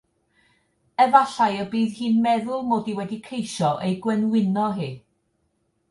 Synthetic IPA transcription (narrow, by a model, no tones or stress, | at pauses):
əvaɬajɔbiːðhiːnmɛðʊlˠmoːdiwɛdikʰejʃɔʔejɡwənwɪnɔɦɨː